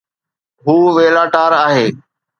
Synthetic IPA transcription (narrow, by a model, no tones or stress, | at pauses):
ɦuːʋeːlaːʈaːɾaːɦeː